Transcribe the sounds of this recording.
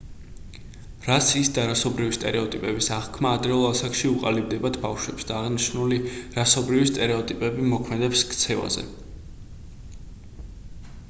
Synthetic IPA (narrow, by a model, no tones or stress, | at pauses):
ɾasisd̪aɾasɔbɾivist̪ʼɛ̰ɾɛɔt̪ʼipʼɛbisaʁkʰmaːd̪ɾɛɔlˠasakʰʃiuqʼalib̚d̪ɛbad̪bafʃwɛpsd̪aːʁniʃnuliɾasɔbɾivist̪ʼɛɾɛɔt̪ʼipʼɛbimɔkʰmɛd̪ɛpskt̪sʰɛva̰zɛ̰